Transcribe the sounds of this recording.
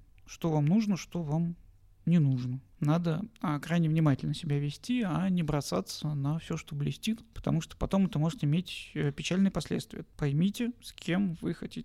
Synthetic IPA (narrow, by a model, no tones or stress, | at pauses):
ʂt̪o̞vamnuʐnəʂt̪o̞vam | nʲɪnuʐnə | nad̪əəkɾajnʲɪvnʲɪmatʲɪlʲnəsʲɪbʲævʲɪsʲtʲianʲɪbɾɐsa̰t̪sənɐfsʲoʂt̪oblʲɪsʲtʲit̪pə̥t̪ɐmuʂt̪o̥pɐt̪o̞mɛt̪əmo̞ʐɨt̪ʲɪɪmʲetʲəpʲɪt͡ɕælʲnɨjəpɐsʲlʲet̪st̪vʲɪ̰jəpɐjmʲitʲɪskʲʰe̞mvɨxɐtʲitʲɪ